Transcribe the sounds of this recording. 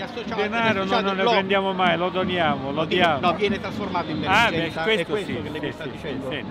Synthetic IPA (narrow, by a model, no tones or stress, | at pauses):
d̪enaːɾononːonːepɾend̪jaːmomajlod̪onjaːmolod̪jaːmjɛːnet̪ɾasformaːt̪oiabɛkwest̪osiseisɛn